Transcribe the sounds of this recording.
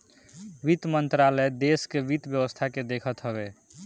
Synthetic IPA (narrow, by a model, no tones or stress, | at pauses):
ʋit̪mənt̪ɾalɛd̪eskeʋit̪bjəwəst̪ʰaked̪ekʰət̪ɦəbe